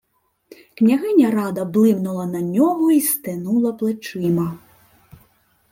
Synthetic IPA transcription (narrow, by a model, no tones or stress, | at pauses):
knʲaɣɛnʲɐɾad̪ɐblˠɨmnulˠɐnanʲɔɣuist̪ɨnulˠɐplˠɨt͡ʂɨmɐ